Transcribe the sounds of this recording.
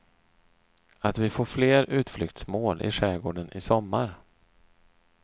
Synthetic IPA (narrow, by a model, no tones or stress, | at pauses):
at̪vɪfoːɾfleːɾʉ̟ːt̪flʏkt̪smoːlʔɪ̰ʂɛːɡoːɖənʔɪsɔmːaɾ